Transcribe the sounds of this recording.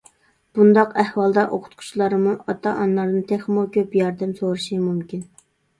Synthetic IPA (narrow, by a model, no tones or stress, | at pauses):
b̥und̪ɑqæhwɑlˠd̪ɑʔoqʰʊ̥t̪qʰʊ̥t͡ʃʰlˠɑɾɨmuʔɑt̪ʰɑʔɑnlˠɑɾnɨnt̪ʰeχmokʲʰøpjɑɾd̪ɛmsoɾɨʃimumkʲin